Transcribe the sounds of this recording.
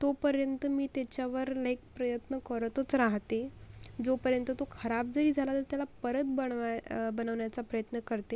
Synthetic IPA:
t̪opəɾjənt̪əmiːt̪jat͡ɕjaʋəɾlaɦek̚pɾəjət̪nəkəɾt̪ət͡sɾaɦt̪ed͡zopəɾjənt̪ət̪okʰəɾab̚d͡zəɾiːd͡zʱalat̪əɾt̪jalapəɾət̪̚bəɳbənəʋɳjat͡sapɾəjət̪nəkəɾt̪e

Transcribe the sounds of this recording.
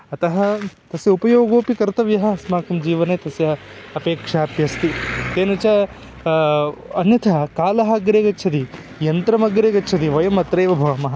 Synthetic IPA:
ɐt̪ɐɦɐt̪ɐsjɐupɐjoːɡoːpikɐɾt̪ɐʋjɐɦɐsmaːkɐmd͡ʒiːʋɐneːt̪ɐsjɐɐɐpeːkʂaːpjɐst̪it̪eːnɐt͡ʃɐ | ɐnjɐt̪ʰɐɐkaːlɐɦɐɡɾeːɡɐt͡ʃʰɐd̪i | jɐnt̪ɾɐmɐɡɾeːɡɐt͡ʃʰɐd̪iʋɐjɐmɐt̪ɾeːʋɐbʱɐʋɐmɐɦɐ

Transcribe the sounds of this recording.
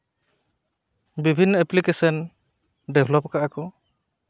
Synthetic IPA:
bibʱinːɔɛplikesɔn | debʰʱlɔpkaʔakɔ

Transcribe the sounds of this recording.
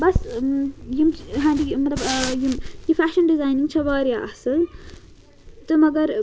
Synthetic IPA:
bɐs | jimɦãːnɖimɐt̪lɐbjimjifaːʃɐnɖizaːjniŋɡt͡ʃʰɐʋaːɾijaʔɐsɨn | t̪ɨmɐɡɐɾ

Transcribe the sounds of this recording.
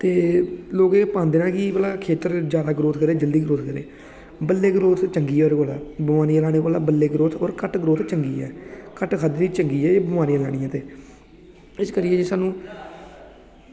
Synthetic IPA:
t̪eːloːɡẽːpãːnd̪eːnãːkɪbəlaːkʰeːt̪əɾd͡ʒjaːd̪aːɡɾoːt̪ʰkəɾeːd͡ʒəld̪iːɡɾoːt̪ʰkəɾḛː | bəlːeːɡɾoːt̪ʰt͡ʃəŋɡiːoːɾɡoːla̰ːbəmaːɾiːlaːɽ̃eːkoːlaːbəlːeːɡɾoːt̪ʰoːɾkəʈɡɾoːt̪ʰt͡ʃəŋɡiːɛ̰ːkəʈkʰəd̪d̪iːt͡ʃəŋɡiːɛːeːbəmaːɾiəlaːɽ̃ijãːt̪eː | ɪskəɾijeːd͡ʒeːsaːnũː

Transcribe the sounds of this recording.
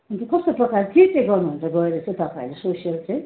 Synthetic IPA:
unt̪ekʌst̪oprʌkailet̪ʰiʈːeɡʌrnuɦunt͡saɡʌeɾʌt͡sʌj̃t̪ʌpaĩlesosijʌlt͡sʌj̃

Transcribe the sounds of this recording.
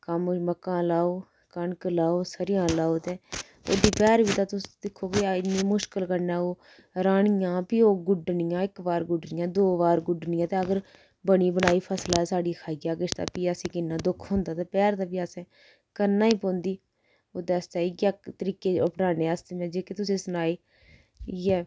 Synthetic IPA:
kəmməkːãːlaːoː | kəɳkəlaːoːsəɾɪjãːlaːoːt̪eː | o̰ːd̪iːpɛːɾbiːt̪aːt̪ʊsd̪ɪkʰːoːkeaɪnĩːmʊʃkəlkəɾnaːoː | ɾaːɳɪjãːpiːoːɡʊɖnɪjãːɪkbaːɾɡʊɖnɪjãːd̪oːʋaːɾɡʊɖnɪ̃ːjãːt̪ẽːəɡəɾ | bəɽ̃iːbəñaːiːpʰəslaːsaːɖiːkʰaːiːɡaːɡɪʃt̪a̰ːpiːəsẽːkɪnːãːd̪ʊkʰɦʊ̃nd̪aːt̪eːpɛːɾt̪aːpiːəsɛ̃ː | kənːãːiːpõːnd̪iː | oːd̪ɛːst̪aːiɡaːt̪əɾiːkeːəpɽaːneːəst̪eːmɛ̃ːd͡ʒeːket̪ʊsẽːsʊnaːiː | ɛː

